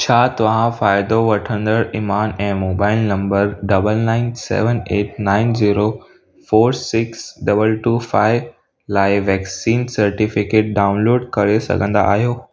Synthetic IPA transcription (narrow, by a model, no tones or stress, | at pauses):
t͡ɕʰaːt̪ɐʋãfaːɪd̪oʋɐʈʰə̃nd̪əɾɪmaːnɛ̃ːmoːbaːɪlnɐ̃mbəɾɖɐbəlnãːɪnsɛ̰ːʋəneːʈnaːɪnziːɾo | foːɾsɪksɖɐbəlʈuːfaːɪʋ | laːɪʋɛːksiːnsɐɾʈifɪkeːʈ̚ɖaːʊ̃nloːɖkɐɾesɐ̰ɡʱə̃nd̪a̰ʔːɦijoː